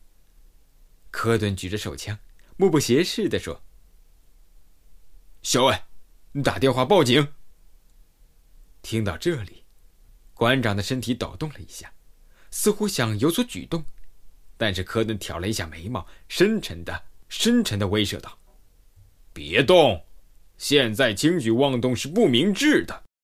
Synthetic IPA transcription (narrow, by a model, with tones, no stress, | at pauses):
kʰɤ˥t̪wə˥nt͡ɕy˨˩ə˧ʂo˨˩ʊt͡ɕʰjɑ˥ŋmu˥˧pu˥˩ɕjɛ˧˥ʂɻ̩˥˩d̪ə˩ʂwɔ̰˥ | ɕjo˧˥ʊe˧˩ni˧˥t̪a̰˨˩t̪jɛ˥˧nxwa˥˧pɑ˥˩ʊt͡ɕi˨˧˥ŋ | t̪ʰi˥ŋt̪ɑ˥˧ʊʈ͡ʂɤ˥˩li˨˩˦ | kwa˧˥nʈ͡ʂɑ˨˩ŋd̪ə˦ʂə˥nt̪ʰi˧˥t̪ɑ̰˨˩ʊt̪ʊ˥˩ŋlə˩ḭ˧˥ɕja˥˩ | sɹ̩˥˧xu˥ɕjɑ˨˩ŋjo˧˥ʊswɔ˧˥t͡ɕy̰˨˩t̪ʊ˥˩ŋt̪a˥˧nʂɻ̩˥˩kʰɤ˥nə˧˥nt̪ʰjɑ˨˩ʊlə˦i˧˥ɕja̰˥˩me˧˥ɪmɑ˥˩ʊʂə˥nʈ͡ʂʰə˧˥nd̪ə˨ʂə˥nʈ͡ʂʰə˧˥nd̪ə˧we˥ɪʂɤ̰˥˧t̪ɑ˥˩ʊ | pjɛ̰˧˥t̪ʊ˥˩ŋ | ɕjɛ˥˧nt͡sa˥˩ɪt͡ɕʰi˥ŋt͡ɕy˨˩wɑ˥˧ŋt̪ʊ˥˧ŋʂɻ̩˥˧pu˥˩mi˧˥ŋʈ͡ʂɻ̩˥˩d̪ə˩